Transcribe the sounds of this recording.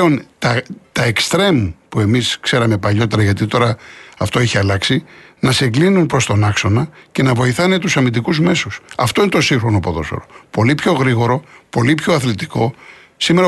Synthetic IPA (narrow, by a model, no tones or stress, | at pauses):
o̞nt̪ɐt̪ɐekst̪ɾe̞mpue̞miskse̞ɾɐme̞pɐʎo̞t̪e̞ɾɐʝɐt̪it̪o̞ɾɐɐft̪o̞eçiɐlɐksinɐseɡlinunpɾo̞st̪o̞nɐkso̞nɐce̞nɐvo̞iθɐne̞t̪usɐmind̪ikuzme̞susɐft̪oine̞t̪o̞siŋxɾo̞no̞po̞ðo̞so̰ɾo̞po̞lipço̞ɣɾiɣo̞ɾo̞po̞lipço̞ɐθlet̪i̥ko̞ | sime̞ɾɐ